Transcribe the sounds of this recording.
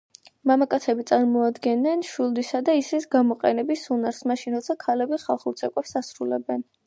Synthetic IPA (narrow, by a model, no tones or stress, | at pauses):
mamakʼat̪sʰɛbit̪sʼaɾmɔad̪ɡɛnːɛnʃwilˠd̪isad̪aisɛsɡamɔqʼɛ̰nɛbisunaɾsmaʃinɾɔt̪sʰakʰalɛbiχa̰lˠχuɾt̪sʰɛkʼɛpsasɾulɛbɛn